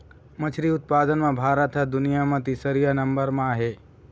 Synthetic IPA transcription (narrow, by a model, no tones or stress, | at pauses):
mɐt͡ʃʰɾiʊt̪̚paːd̪ənmãbʱaːɾət̪ɦɛd̪ʊnijamɐ̃t̪isəɾijanɐ̃mbəɾmãɦeː